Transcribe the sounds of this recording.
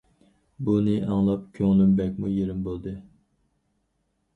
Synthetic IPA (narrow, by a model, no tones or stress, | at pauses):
bunɨʔɑŋlˠɑp̚kʲʰøŋlymbɛk̚ʲmujeɾɪmbolˠd̪ɨ